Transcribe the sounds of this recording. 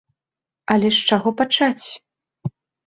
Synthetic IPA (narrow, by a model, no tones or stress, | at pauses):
ɐlʲɛʂt͡ʂaɣɔpat͡ʂat͡sʲ